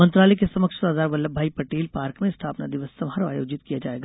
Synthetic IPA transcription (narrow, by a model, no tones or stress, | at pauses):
mɐ̃nt̪ɾaːlɛekesɐməkʃsaːzaːɾbɐlːəbʱaːipɾɐʈeːlpaːɾkmẽɪst̪ʰaːpnad̪ɪʋəssɐmɦaɾa̰ːjo̰ːd͡ʒɪt̪kijad͡ʒaːeːɡaː